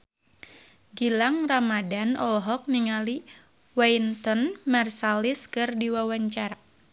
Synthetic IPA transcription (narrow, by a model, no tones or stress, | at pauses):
ɡilaŋramadanɔlɦɔk̚niŋali | waint̪ɔnmarsaliskɨrdiwawaɲt͡ʃaɾa